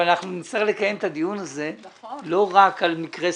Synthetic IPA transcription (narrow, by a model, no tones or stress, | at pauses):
anaχnunsaʁlekajemt̪ad̪ijunaze̞lo̞ʁakalmikʁe